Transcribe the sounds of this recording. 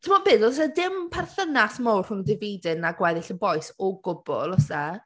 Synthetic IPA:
tʰɪmɔbɪːdɔs̬ɛdɪmpʰɛrθənasmɔwrr̥ʊŋdɪviːdɪnaɡwɛðɪɬənbɔjsɔɡʊb̥ʊ̰lˠɔsɛ

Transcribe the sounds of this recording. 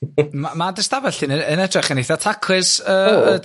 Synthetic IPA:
mamadəstabɛɬɨːnəənɛdrɪχənejθatʰakʰwɪsəə

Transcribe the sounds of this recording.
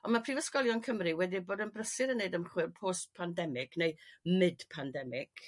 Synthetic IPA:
ɔnmapʰr̥iːvəskɔlˠjɔnkʰəmrɨwɛdiboːdənbrəsɨɾənːeɨdəmχwɪrpʰoːstpʰandɛmɪɡ̥nejmɨd̥pʰandɛmɪɡ̥

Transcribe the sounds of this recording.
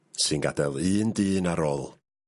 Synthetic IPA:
sɨnɡa̰dɛlˠɨːndɨːnaɾɔlˠ

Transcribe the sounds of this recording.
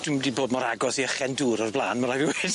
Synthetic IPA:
d̥ʊmdiboːdmɔɾaɡɔθiəχɛnduːɾɔrblˠaːnmaɾaviweːd̥

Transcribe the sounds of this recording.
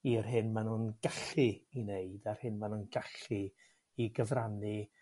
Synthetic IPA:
irɦɪnmanunɡaɬɨineɨdarhɪnmanunɡaɬɨ | iɡəvranɨ

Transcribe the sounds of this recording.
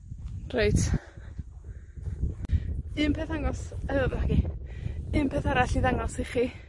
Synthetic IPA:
rejtʰ | ɨmpʰeːθaŋɔsaəvaɡi | ɨmpʰeθaɾaɬiðaŋɔsiχiː

